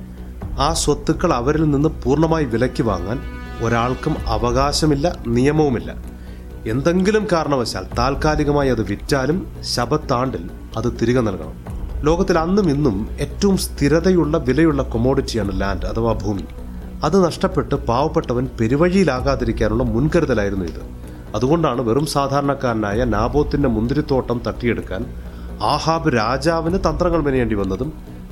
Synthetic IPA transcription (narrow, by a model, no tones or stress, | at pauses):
aːswɐt̪ːukːɐɭɐʋɐɾilninːɨpuːrɳɐmaːjiʋilɐkʲːiʋa̰ːŋːa̰ːn | o̞ɾaːɭkumɐ̰ʋɐɣaːɕɐmilːɐnijɐmɐʋumilːɐ̰ | e̞nd̪e̞ŋɡilumkaːɾɐɳɐʋɐɕa̰ːlt̪aːlkaːliɣɐmaːjɐðɨʋitːaːlum | ɕɐbɐt̪ːaːɳɖil | ɐðɨt̪iɾiɣɐnɐlkɐ̰ɳɐ̰mlo̞ːɣɐt̪ːilɐnːuminːume̞ːtːɐʋumst̪ʰiɾɐðɐjuɭːɐʋilɐjuɭːɐko̞mo̞ːɽitːijaːɳɨlaːndɐt̪ʰɐʋaːbʱuːmi | ɐðɨnɐʂʈɐpːe̞ʈːɨbaːʋɐpːe̞ʈːɐʋɐnpe̞ɾiʋɐɻijilaːɣaːðiɾikʲːaːnuɭːɐmunkɐɾuðɐlaːjiɾunːuḭðɨ̰ | ɐðuɣo̞ɳɖaːɳɨʋe̞rumsaːd̪ʱaːɾɐɳɐkːaːɾɐnaːjɐnaːbo̞ːt̪ːinde̞mund̪ɾit̪ːo̞ːʈːɐmt̪ɐʈːije̞ɽukːa̰ːn | aːhaːbɨɾaːd͡ʑaːʋinɨt̪ɐnd̪rɐŋːɐɭminɐjeːɳɖiʋɐnːɐðum